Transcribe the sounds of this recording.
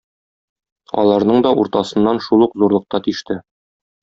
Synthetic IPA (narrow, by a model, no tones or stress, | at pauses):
ɒ̰lˠɑɾnɤɴd̪ɒʔuɾt̪ɑsɤ̆nːɑnʃulˠuqzuɾlˠɤ̆q̚t̪ɑt̪iʃt̪ɘ